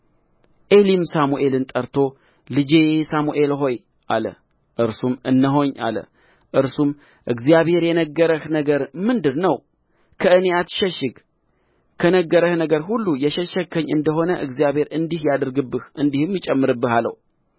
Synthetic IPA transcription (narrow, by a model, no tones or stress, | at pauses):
ʔe̞limsamuʔe̞lɨnt̪ʼəɾt̪ʰo̞ | lɨd͡ʒesamuʔe̞lɦo̞j | ʔa̰lə̰ | ʔɨɾsumɨnːəɦo̞ɲːa̰lə̰ | ʔɨɾsum | ʔɨɡzijaβhe̞ɾjɛnəɡːəɾəhnəɡəɾmɨnd̪ɨɾnəw | kʰəɨnejat̪ʃɛʃɪɡ | kʰənəɡːəɾəhnəɡəɾɦulːujɛʃɛʃəkʰːəɲːʔɨnd̪əɦo̞nəʔɨɡzijaβhe̞ɾʔɨnd̪ihjad̪əɾɡɨbːɨhʔɨnd̪ihɨmjɪt͡ʃʼɛmːɨɾɨbːɨhalə̰w